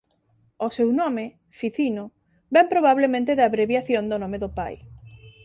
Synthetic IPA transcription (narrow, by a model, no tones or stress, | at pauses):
osewnɔme | fiθino | bɛmpɾoβaβ̞lemẽnt̪eðaβɾeβjaθjond̪onõmeðopa̰j